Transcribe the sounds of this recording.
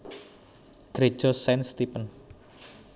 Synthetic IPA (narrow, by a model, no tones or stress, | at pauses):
ɡ̥ɾe̥ʒ̥ɔsɛnst̪ipən